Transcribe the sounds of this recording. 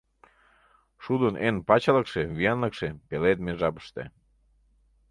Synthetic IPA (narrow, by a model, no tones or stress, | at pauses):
ʃud̪ənʔenpɑt͡ɕɑləkʃeβijɑnləkʃepeled̪̚meʒɑpə̥ʃt̪ḛ